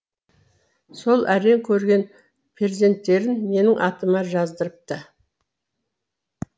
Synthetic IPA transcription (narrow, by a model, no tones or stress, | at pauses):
so̞lˠʔæɾe̞ŋkʲʰɵɾɡʲe̞n | pʰeze̞nt̪ːe̞ɾɪnme̞nɪŋʔɑt̪əmɑʒɑzd̪əɾəp̚t̪ə